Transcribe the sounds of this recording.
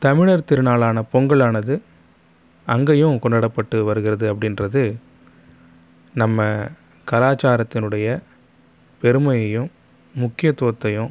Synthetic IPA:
t̪ɐmɪɭɐɾt̪ɪɾɯnaːɭaːnɐpɔŋɡɐɭaːnɐðɯ | ɐŋɡɐjɯ̃kɔɳɖɐɽɐpːɐʈːɯʋɐɾɯɣɪɾɐðɯɐpːɐɽɪnrɐðɯ | nɐmːɐ | kɐlaːt͡ʃaːɾɐt̪ːɪnɯɽɐjɐ | pɛɾɯmɐjɐjɯ̃mː | ʊkːɪjɐt̪ːuʋɐt̪ːɐjɯ̃

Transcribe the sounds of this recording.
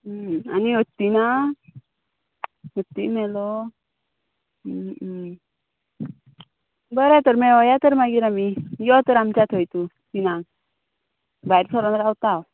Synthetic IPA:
aniɦɔt̪ːina | ɦɔt̪ːimɛlɔ | bəɾɛt̪ɔɾmɛɔjat̪əɾmaɡiɾamijɔt̪əɾamt͡ɕat̪ʰojt̪u | t̪ina | bajɾsɔɾɔnɾawt̪aw

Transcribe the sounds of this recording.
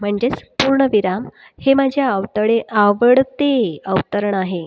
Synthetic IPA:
m̤əɳd͡ʑet͡spuɾɳəʋiɾam | hemad͡ʑʱjaəʋt̪əɽeʔaʋəɽt̪eəwt̪əɾəɳaɦe

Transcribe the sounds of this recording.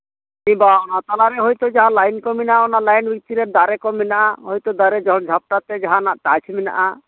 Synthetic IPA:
nibaɔnat̪alaɾɛɦojt̪ɔd͡ʒaɦãlajnkɔminaɔnalajnbik̚t̪iɾeɾd̪aɾɛkɔminaʔaɦojt̪ɔd̪aɾɛd͡ʒɔɦɔnd͡ʒʱap̚ʈat̪ɛd͡ʒaɦãnaʔʈat͡ʃʰimina̰ʔa

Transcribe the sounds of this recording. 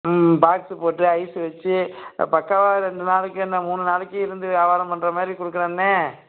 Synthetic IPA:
baːksɯpoːʈːɯɐɪsɯʋɐt͡ʃːɯ̰pɐkːaʋaːɾɛɳɖɯnaːɭɯkːɯɛnːɐmuːnɯnaːlɯkːɯɪɾɯnd̪ɯʋaːʋaːɾɐ̃mpɐɳɖɾɐmaːd̪ɾikʊɽɯkːɐɾãːnːe

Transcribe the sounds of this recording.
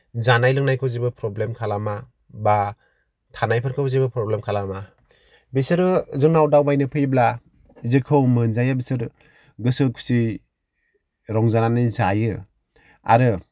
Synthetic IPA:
zanajlɯŋnajkʰɯwzibɯpʰɾɔblemkʰalama | ba | tʰanajpʰaɾkʰɯwzibɯpɾɔblemkʰalama | bisɯɾɯzɯŋnawdawbajnɯpʰɯjbla | izɯkʰɯwmɯnzajabisɯɾ | ɡɯsɯkʰu̥si | ɾɔŋzananɯzajɯ | a̰ɾɯ

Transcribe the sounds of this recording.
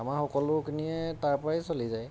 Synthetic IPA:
amaɹxɔkɔlʊkiniɛtaɹpɹajsolizaj

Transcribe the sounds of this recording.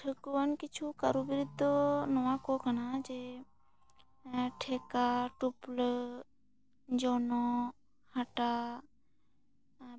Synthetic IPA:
ʈʰəkʋənkɪt͡ʃʰukəɾubɪɾɪd̪ʱonɔʋãkokənad͡ʒe | ʈʰeːkaʈʊpl | d͡ʒoːno | hɐʈa

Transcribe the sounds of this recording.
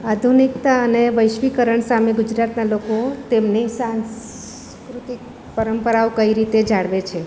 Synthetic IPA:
ad̪ʱunikt̪aəneʋəjʃʋikəɾəɳsameɡʊd͡ʒɾat̪nalokot̪emnesãns | kɾut̪ik̚ | pəɾəmpəɾaokəiɾit̪ed͡ʒaɽʋet͡ʃʰe

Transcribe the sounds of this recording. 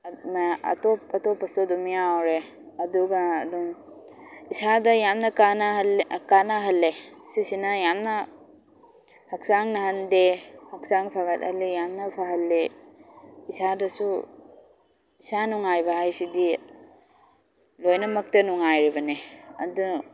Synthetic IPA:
naɐ̰tɔpɐtɔpɐsudumijawɾe | ɐduɡɐdum | isadɐjamnɐkanalkanaɦɐlːesisinɐjamnɐ | hɐk̚saŋnɐɦɐndehɐksaŋpʰaɡɐt̚ɐ̰lijamnɐpʰaɦɐlːe | isadɐsu | isanuŋajbɐɦajsidi | lojnɐmɐk̚tɐnuŋajɾibɐneɐ̰du

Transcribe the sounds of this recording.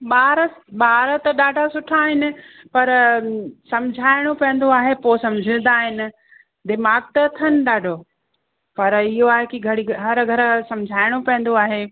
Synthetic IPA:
ɓaːɾəɓaːɾət̪ɐɗaːɖʱasʊʈʰaːɦɪnɪ̆ | pɐɾ | sɐ̃md͡ʑʱaːɪɽ̃opɐ̃ə̃nd̪oaːɦepoːsɐ̃md͡ʑʱə̃n̆d̪aːɦɪnɪ̆ | d̪ɪmaːɡ̚t̪ɐt̪ʰɐnɗaːɖʱoː | pɐɾɪɦoaːɦekiɡʱɐɽiɦɐɾɡʱɐɾ̆sɐ̃md͡ʑʱaːɪɽ̃opɐ̃ə̃n̆d̪oaːɦe

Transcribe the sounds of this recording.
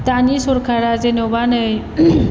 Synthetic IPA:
t̪anisoɾkʰaɾazenobanəj

